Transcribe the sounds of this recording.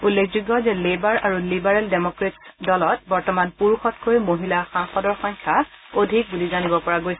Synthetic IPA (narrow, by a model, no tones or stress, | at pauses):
ulːekʰzuɡːɔzɛlibaɹaɹulibaɹaldemokɹetdɔlɔt̚bɔɹtɔmanpuɹuxɔtkojmoɦilaxaŋxɔdɔɹxɔŋkʰa | odʱik̚bulizanibɔpɔɹaɡojsɛ